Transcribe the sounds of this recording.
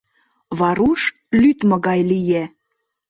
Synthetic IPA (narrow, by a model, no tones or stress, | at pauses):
βɑɾuʃ | lyt̪mɤ̆ɣɑjlije